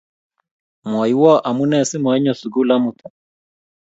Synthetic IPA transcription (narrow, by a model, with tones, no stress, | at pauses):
mɔ˨i˨wɔ˦ʔa˨mu˦nɛ˦˨si˦mɔ˨ɛ˦ɲɔ˨su˨ɡu˦la˦mu˨t̪ɔ˨